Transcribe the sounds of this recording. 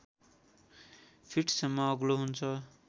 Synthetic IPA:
pʰiʈsʌmːʌːɡloɦunt͡sʰʌ

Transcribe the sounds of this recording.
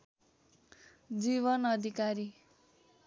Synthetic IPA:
d͡ziβʌnʌd̪ʱikaɾi

